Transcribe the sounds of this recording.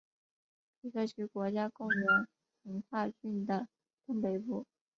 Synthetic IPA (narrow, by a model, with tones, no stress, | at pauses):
i˧˥kə˥˩t͡ɕʰy˧˥kwɔ˧˥t͡ɕja˥kʊ˥˩ŋjə˧˥ŋ | ə˧˥ŋkʰwa˥˧t͡ɕy˥˩nd̪ə˩ | t̪ʊ˥ŋpe˧˥ɪpu˥˩